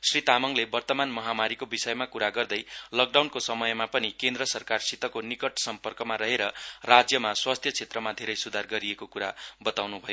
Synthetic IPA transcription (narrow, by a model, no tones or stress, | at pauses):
srit̪amʌŋlebʌrt̪ʌmanmʌɦamaɾikobisʌjmakuɾaɡʌrd̪ʌjlʌk̚ɖawnkosʌmʌjmapʌnikend̪rʌsʌrkarsit̪ʌkonikʌʈsʌmpʌrkʌmaɾʌɦeɾʌrad͡zjʌmaswast̪ʰjʌt͡sʰet̪rʌmad̪ʱeɾʌjsud̪ʱarɡʌɾiekokuɾabʌt̪awnubʱʌjo